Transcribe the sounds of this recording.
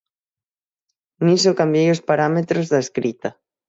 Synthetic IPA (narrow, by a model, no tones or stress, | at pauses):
nisokambjejospaɾamet̪ɾozðaeskɾit̪ɐ